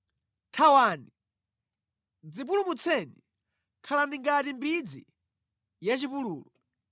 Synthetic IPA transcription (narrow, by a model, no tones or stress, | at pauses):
tʰawani | d͡zip̬ulumut͡sʰɛni | kʰalandiŋɡatimbid͡zḭ | jat͡ʃipuluːlɔ